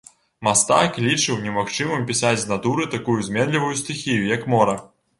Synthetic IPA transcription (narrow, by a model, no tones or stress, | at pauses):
mast̪a̰klʲit͡ʂɨwnʲɛmaxt͡ʂɨmɨmpʲisad͡zʲznat̪uɾɨt̪akujuzʲmʲɛnlʲivujusʲt̪ʲɨxʲijujɐkmɔɾɐ